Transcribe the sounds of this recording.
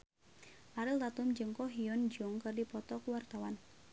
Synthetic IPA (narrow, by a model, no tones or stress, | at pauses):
ʔaɾild̪at̪umd͡ʒəŋkɔɦiɔnd͡ʒuŋkɨrdipɔt̪ɔkuwart̪awan